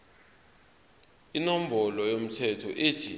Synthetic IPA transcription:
inom̩bɔlɔjom̩tʰɛtʰɔʔetʰi

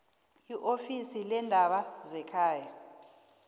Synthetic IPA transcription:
iʔofisilɛndʱaɓazɛkʰaːja

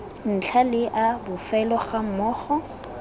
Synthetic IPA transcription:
n̩t͡ɬʰalɪʔabʊfɛlɔχam̩mɔːχɔ

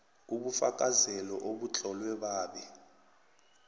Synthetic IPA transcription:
uɓufak̬ʼazɛlɔʔoɓut͡ɬɔlwɛɓaːɓi

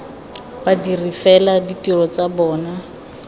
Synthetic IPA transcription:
badirifɛladitʼirɔt͡sabɔːna

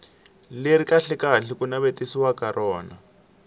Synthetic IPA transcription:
leɾikaɬɛkaɬikunaβetisiwakarʔɔːna

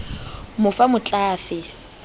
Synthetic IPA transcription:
mʊfamʊt͡ɬʼaːfɪ

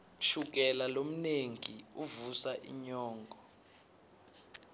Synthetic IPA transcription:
ʃuk̬ɛlalom̩neŋiuvusaʔḭɲɔːŋɡʱɔ

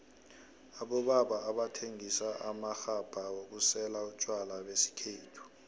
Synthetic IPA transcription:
aɓɔɓaɓaːɓatʰeŋisaʔamaxab̥ʱawok̬usɛlaut͡ʃʼwalawesi̥kʰeːtʰu̥

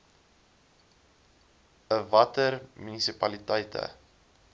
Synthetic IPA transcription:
əvɐtərmynisipɐlitɛjtʰə̰

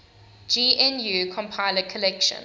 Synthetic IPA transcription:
d͡ʒiɛ̃njukʰɔ̃mpʰaɪləkʰəlɛkʃə̰̃n

